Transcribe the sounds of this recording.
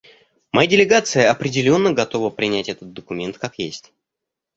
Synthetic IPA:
mɐjadʲɪlʲɪɡat̪sɨjəɐpɾʲɪdʲɪlʲo̞nːəɡɐt̪o̞vəpɾʲɪnʲætʲɛt̪ət̪̚d̪əkʊmʲe̞nt̪kakjesʲtʲ

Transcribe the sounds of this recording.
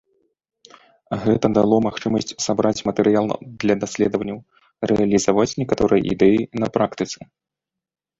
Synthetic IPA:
ɣɛt̪ɐd̪alˠɔmaxt͡ʂɨmɐsʲt͡sʲsabɾat͡sʲmɐt̪ɛɾɨjalˠd̪lʲɐd̪asʲlʲɛd̪əvɐnʲːɐw | rɛɐlʲizavat͡sʲnʲɛkat̪ɔɾɨjɐ̰ʔḭd̪ɛjinɐpɾakt̪ɨt̪sɨ

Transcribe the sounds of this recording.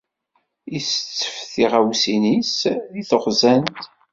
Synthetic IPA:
ist͡sːə̥fθiʁæwsinisðiθəʁzænt̪

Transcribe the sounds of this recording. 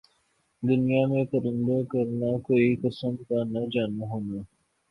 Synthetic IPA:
d̪ʊnijamẽkɐɾɪnd̪okɐɾnakoːikɐsəmk̪anɐd͡ʒaːnũɦʊna

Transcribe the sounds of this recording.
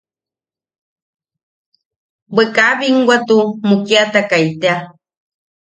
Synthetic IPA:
bekabiŋɡwat̪umukiat̪akajt̪ea

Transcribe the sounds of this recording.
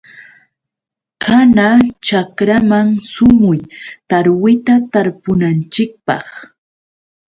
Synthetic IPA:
kʰanat͡ʃakɾamaŋsʊmʊjt̪aɾwɪt̪at̪aɾpʊnant͡ʃɪk̚pɑ̰χ

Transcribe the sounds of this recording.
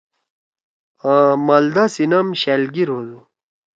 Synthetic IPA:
amɐld̪asinɐmɕelɡiɾɦozu

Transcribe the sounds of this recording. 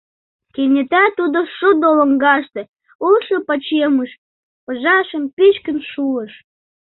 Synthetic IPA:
kenʲĕt̪æt̪ud̪oʃud̪olə̆ŋɡɑʃt̪ĕ | ulʃə̆pɑt͡ɕeməʃ | pəʒɑʃə̆mpit͡ɕkə̆nʃuəʃ

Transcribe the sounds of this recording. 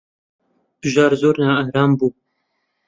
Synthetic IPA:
b̥ɨʒɑːɾzoːɾnaːahɾɑːmbuː

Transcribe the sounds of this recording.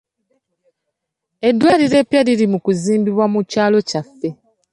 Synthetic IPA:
e̞dːwaːɾiɾe̞pjaliɾimukuziːmbiβwamucaːlo̞cafːe̞

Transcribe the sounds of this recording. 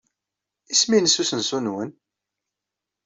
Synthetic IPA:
isminəsusənsunwən

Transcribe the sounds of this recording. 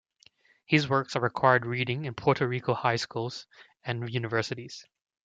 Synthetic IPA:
hɪzwɜ˞ksəɹɨkʰw̥aɪə˞d̚ɹiɾɪ̃ŋɨ̃npʰɔɹɾəɹikʰoʊhaɪskulˠz̥ | ɨ̃njʉnɨvɜ˞sɨɾiz̥

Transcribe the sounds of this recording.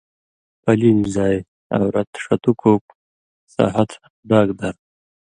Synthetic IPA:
pɐlinizaːj | a̰wɾɐt̪ʂɐt̪ukʰop̚ | sa̰ːɦɐt̪ | ɖaːɡd̪ɐɾ

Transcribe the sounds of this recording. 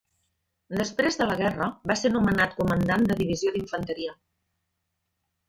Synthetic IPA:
d̪əspɾezðələɣ̞ɛrəβasenumənat̪kumənd̪and̪əðiβ̞izioðiɱfənt̪əɾiə

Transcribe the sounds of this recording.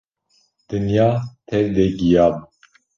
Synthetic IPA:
d̪̥ɨnjɑːt̪ʰɛvd̪ɛɡijɑːb

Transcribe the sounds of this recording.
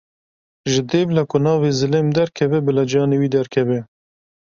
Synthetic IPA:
ʒɨd̪eːblɛkʊnɑːvezɨleːmd̪ɛɾkʰɛvɛbɨlɑd͡ʒɑːneːwiːd̪ɛɾkʰɛbɛ

